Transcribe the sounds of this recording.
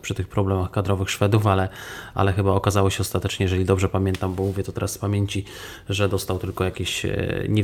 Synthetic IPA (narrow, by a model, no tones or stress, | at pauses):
pʂɘt̪ɘxpɾɔblɛmaxkad̪ɾɔvɘxʂfɛd̪ufalɛʔa̰lɛxɘbaɔkazawɔɕɛɔst̪at̪ɛt͡ʂɲɛjɛʐɛlʲid̪ɔbʐɛpamʲjɛnt̪ambɔmuvʲjɛt̪ɔt̪ɛɾaspamʲjeɲt͡ɕi | ʐɛd̪ɔst̪awt̪ɘlkɔjakʲeɕɲɛ